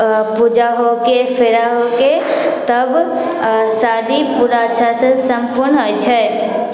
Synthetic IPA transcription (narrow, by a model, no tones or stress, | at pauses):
pud͡ʒaɦokefɪɾaɦoket̪əb | saːd̪ipuɾaʃʰasesəmpʊɾnət͡ʃʰae